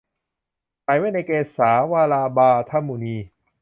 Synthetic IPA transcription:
ta˧jma˥˩na˧jkeː˧saː˩˦waː˧laː˧baː˧t̪ʰa˧mːu˨˩˨niː˧

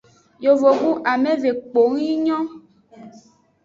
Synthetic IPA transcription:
jo˨vo˨ɡu˦ʔa˨mẽ˦ve˨k͡po˨ŋ˦ĩ˦ɲɔ̃˦

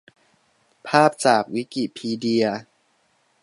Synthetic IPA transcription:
pʰaː˥˩p̚t͡ɕaː˨˩k̚wi˦˥ki˨˩t̪̚pʰiː˧di˧ɐ

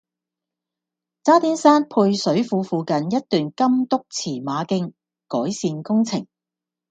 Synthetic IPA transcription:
t͡saː˥t̪iː˥nsaː˥npʰuː˧jsɵ˨˥ɥfuː˨˧fuː˨˧kɐ˨njɐ˥t̚t̪yː˨nkɐ˥mt̪ʊ˥k̚t͡sʰiː˨˩maː˨˧kɪ˥ŋ | kɔː˨˥jsiː˧nkʊ˥ŋt͡sʰɪ˨˩ŋ

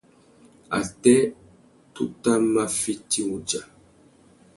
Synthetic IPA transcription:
a̰˨tɛ˦ | tu˦ta˦ma˦fi˦ti˦u˦d͡ʒa˨

